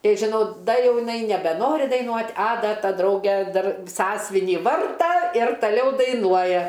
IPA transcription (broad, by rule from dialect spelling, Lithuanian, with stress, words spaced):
ˈtɐɪ ʒʲɪˈnɐʊ ˈdɐ ˈjɛʊ jɪˈnɐɪ nʲɛbʲɛˈnoːrʲɪ dɐɪˈnuɔtʲ ɐ ˈdɐ ˈtɐ ˈdrɐʊɡʲɛ ˈdɐr ˈsɑːsʲʋʲɪnʲiː ˈʋɐrtɐ ɪr tɐˈlʲɛʊ dɐɪˈnuɔjɛ